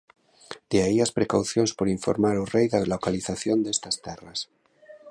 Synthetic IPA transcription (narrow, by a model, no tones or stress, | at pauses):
d̪̥eaiaspɾekawθjonspoɾiɱfo̰ɾmaɾorejðalokaliθaθjond̪est̪ast̪eras